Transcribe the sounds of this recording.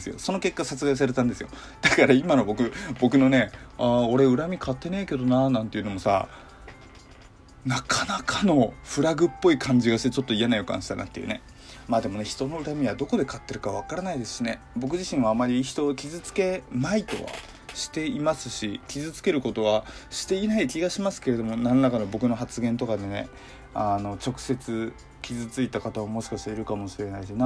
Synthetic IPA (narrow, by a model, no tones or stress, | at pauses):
sɨjo̞̰so̞no̞ke̞kːasat͡sɨɡais̬aɾe̞t̪ãnd̪e̞sɨjo̞̰ | d̪̥akaɾaimano̞bo̞kɯ̟bo̞kɯ̟no̞ne̞ao̞ɾe̞ɯ̟ɾamʲikʰat̪ːe̞ne̞ike̞d̪o̞nanãnt̪e̞iɯ̟no̞mosa̰ | nakʰanakʰano̞ɸɯ̟ɾaɡɯ̟pːo̞ikʰãɲ̟d͡ʑiɡaɕi̥t̪e̞t͡ɕo̞t̪ːo̞ijanajo̞kã̰ɕi̥t̪ana̰t̪ːejɯ̰̟ne̞ | maːd̪e̞mo̞ne̞çi̥t̪o̞no̞ɯ̟ɾamʲiβad̪o̞ko̞d̪e̞kat̪ːe̞ɾɯ̟kaβakaɾanaid̪esɨ̥ɕine̞ | bo̞k̬ɯ̟ʑiɕĩɰ̃aːmːaɾʲiçi̥t̪o̞ːkʲizɨt͡sɨ̥ke̞nait̪o̞̰βa̰ | ɕi̥t̪e̞imasɨɕikʲizɨt͡sɨ̥ke̞ɾɯ̟ko̞t̪o̞βaɕi̥t̪e̞inaikʲiɡaɕimasɨ̥ke̞ɾe̞d̪o̞mo̞nanonakano̞bo̞kɯ̟no̞ɦat͡sɨɡẽ̞nt̪o̞kad̪e̞ne̞ | ano̞t͡ɕo̞kɯ̟̥se̞t͡sɨ | kʲizɨt͡sɨit̪akat̪aβamo̞ɕi̥kaɕi̥t̪aiɾɯ̟kamo̞ɕiɾe̞naisona